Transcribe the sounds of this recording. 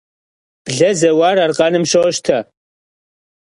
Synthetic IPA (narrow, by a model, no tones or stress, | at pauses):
b̥ɮɐzɐwaːɾarqʼɑnɨmʃoʃt̪ʰɐ